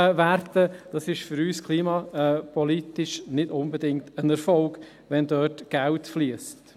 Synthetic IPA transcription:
ʋærtəd̥ɑsɪʃfʏɾyːskʰliːmɑpɔlitɪʃnɪdʊnbɛdɪŋktənɛɾfɔlɡ | ʋɛndœːtɡ̥æʊtfliəst

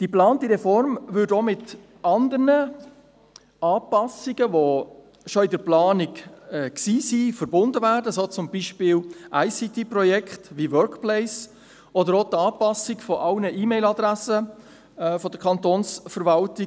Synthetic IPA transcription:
d̥iplɑːntiʁɛfɔɾmvʏɾdomɪt | ɑnd̪əɾnə | ɑːpɑsɪɡəʋo | ʃoɪdəɾplɑːnɪkɛksiːsiːfəɾbʊnd̪əvæːɾdəsot͡sʊmbiʃpɪːlʔæɪsit̪ʰiprɔjɛkχtʋiʋœɾkplɛɪs | ɔdəɾotɑːpɑsɪkfɔʔɑlnəʔiːmɛɪlɑd̪ɾæsə | fɔdəkʰɑnt̪oːnsfəɾvɑltɪ

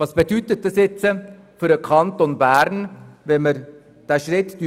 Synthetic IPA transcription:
ɑsb̥ed̥ytət̚d̥ɑsjɛt͡sə | fʏɾəkʰɑntonbæːɾnʋɛnməɾ | d̥æːʃɾɪtd̥y

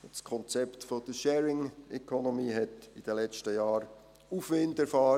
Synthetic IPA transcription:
skʰɔnt͡sɛptfod̥̪əʃɛːɹɪŋɛkʰɔnɔmiːɦɛtid̥əlɛt͡ʃtəjɑːɾ | ufʋɪndɛɾfɑː

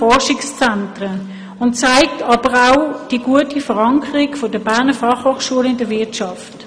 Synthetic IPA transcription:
ɔʁʃɪkst͡sɛntʁə | ʊnt͡saɪk̚tʰɑb̥əʁaʊd̥iɡ̥uətifəʁɑŋkʰəʁɪkfodəbɛɐnəfɑχhoːχʃuəlɪndəʋɪɐtʃɑft

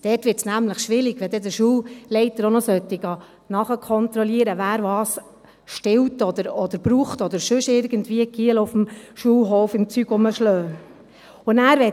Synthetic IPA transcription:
d̥ɛːtʋɪɾtsnæmləχʃʋɪɾɪɡʋɛd̪ɛdəʃuːllɛɪtəɾonɔsœtːɪɡ̥ɑː | nɑχəkʰɔnt̪ɾɔliəɾəvæːɾʋɑːs | ʃtɪwtɔd̪əɾɔd̪əɾb̥ɾuːχtɔd̪əɾʃʏʃɪɾɡəntʋiːəkʰiəlʊfm̩ʃulɦɔːfɪmt͡syːɡʊməʃlœː | ʊnæːɾʋɛ

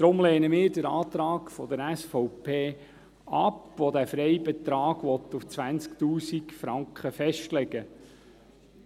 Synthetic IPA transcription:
d̥ɾʊmleːnəmɪːɾdəɾɑːt̪ɾɑːkfɔd̪əɾæsfɔwpʰeː | ɑpʋod̪æfɾɛjbɛt̪ɾɑːɡ̥ʋɔt̪ːuft͡sʋænt͡skt̪uːsikfɾɑŋkχəfɛʃtlɛɡ̥ə

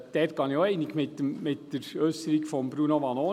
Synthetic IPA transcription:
d̥̪ɛːtkɑnjoɛɪnɪɡmɪt̪ːəmmɪtd̥əɾœʏsəɾɪɡfɔmbɾunoʋɑnoː

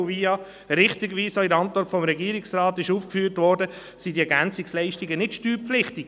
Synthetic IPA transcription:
viɑ | ɾɪχtiɡʋiːsoɪɾɑntvɔɾtfɔmɾɛɡiːɾiksɾɑːtɪʃuːfkfyːɾtʋɔɾdə | sidiɛɡænt͡sɪkslɛɪʃtiɡənɪtʃtyːɾpflɪχtɪk

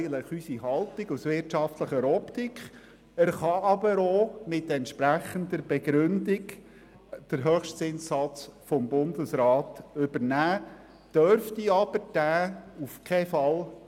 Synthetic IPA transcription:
ɡən̩tləχysiɦɑlˠtɪɡusʋɪɾtʃɑft̪ləχəɾɔpt̪ikχ | əɾχɑɑbəɾomɪt̪ɛnt̪ʃpɾæχənd̪əɾb̥ɛɡɾʉndiɡ | d̥əɾɦœχʃtsɪnsːɑt͡sfɔmbʊndəsɾɑːtʏbəɾnæː | d̥œɾft̪iɑb̥əɾd̥æːufkʰɛfɑl

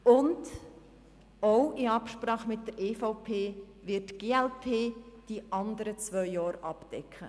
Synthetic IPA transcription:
ʊnd | oʊɪɑpʃpɾɑːχəmɪtdəɾʔeːfɔʊpʰeː | ʋɪtːɡ̥eːɛlpʰeːd̥iʔɑnd̪əɾət͡sʋœʏjɑːɾʔɑpd̥ɛkχə

